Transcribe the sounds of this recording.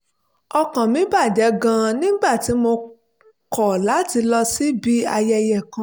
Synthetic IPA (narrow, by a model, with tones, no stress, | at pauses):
ɔ˧kã˨mĩ˨˦ba˦˨d͡ʒɛ˨˦ɡã˧nĩ˦ɡ͡ba˦˨ti˨˦mo˧ | kʰɔ˨la˨˦ti˧lɔ˧si˦bi˦a˧jɛ˧jɛ˨kã˧˦